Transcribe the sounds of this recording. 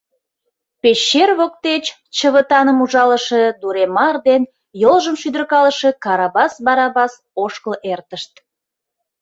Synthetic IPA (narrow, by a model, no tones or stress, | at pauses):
peɕːerβok̚t̪et͡ɕ | t͡ɕəβət̪ɑnəmuʒɑləʃe̽d̪uɾemɑrd̪en | jolʒəmʃyd̪ərkɑləʃe̽kɑɾɑbɑsbɑɾɑbɑs | oʃkəlʔert̪əʃt̪̚